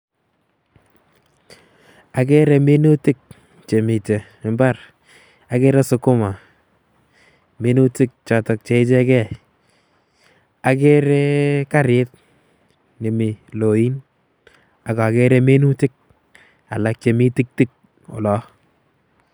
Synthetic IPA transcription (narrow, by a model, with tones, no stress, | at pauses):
a˨k̬ɛ˦ɾɛ˨me˦nu˦tɪ˦k̚ | t͡ʃe˨mi˨te˨ | mba˦˨ɾ | a˨ke˦ɾɛ˦sʊ˦kʊ˦ma˨ | me˦nu˦tɪ˦k̚t͡ʃa˨tɔ˨k̚t͡ʃe˨˦ɪ˦t͡ʃɛ˦kɛ˦˨ | a˨ke˦ɾɛ˦ka˦ɾɪ˦t̚ | ne˨mi˨lo˨i˦n | a˨ka˨ke˦ɾɛ˦me˦nu˦tɪ˦k̚ | a̰˨la˨k̚t͡ʃe˨mi˦tɪ˦k̚tɪ˦k̚ | ʊ̰˨lɔ˦